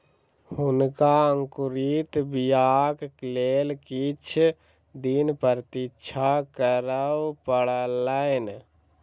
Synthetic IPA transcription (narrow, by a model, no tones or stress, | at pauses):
hʊnkaəŋkʊɾit̪bijaːkkleːlkit͡ʃʰ | d̪inpəɾt̪it͡ʃʰakəɾəwpəɽələɪn